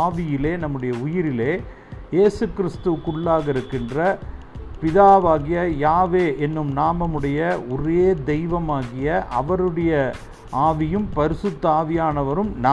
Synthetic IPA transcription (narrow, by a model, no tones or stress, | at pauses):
ʋɪjɪleːnɐmːɯɽɐjɐʊjɪɾɪleː | jeːsɯkːɪɾɪst̪ɯkʊɭːaːɣɐɪɾɯkːɪndrɐ | pɪðaːʋaːɣɪjɐjaːʋeːʔɛnːɯmnaːmɐmɯɽɐjɐɔɾeːd̪ɛɪʋɐmaːɣɪjɐʔɐʋɐɾɯɽɐjɐ | aːʋɪjɯmpɐɾɪsɯt̪ːaːʋɪjaːnɐʋɐɾɯmn